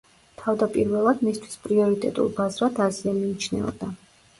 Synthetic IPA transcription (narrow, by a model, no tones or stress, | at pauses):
t̪ʰavd̪apʼiɾvɛlˠad̪mist̪ʰwi̥spʼɾiɔɾit̪ʼɛ̰t̪ʼṵlˠbazɾad̪aziamiːt͡ʃʰnɛ̰ɔ̰d̪a